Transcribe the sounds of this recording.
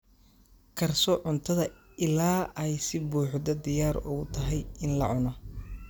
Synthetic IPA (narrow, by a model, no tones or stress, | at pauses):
kʰɐrsɔʕʊnt̪ʰɐðɐ | ɪlaːɛjsɪbuːħd̪ɐd̪ɪjaːɾʊ̰ɣʊt̪ʰɐɦɛjɪnlɐ̰ʕʊnɔ